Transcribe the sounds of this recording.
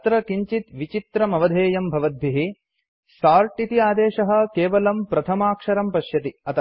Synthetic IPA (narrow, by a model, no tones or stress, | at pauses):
t̪ɾɐkiɲt͡ʃit̪ʋit͡ʃit̪ɾɐmɐʋɐd̪ʱeːjɐmbʱɐʋɐd̪̚bʱiɦi | saːɾʈit̪iaːd̪eːʃɐɦɐ̆keːʋɐlɐmpɾɐt̪ʰɐmaːkʂɐɾɐmpɐʃjɐt̪iɐt̪ɐ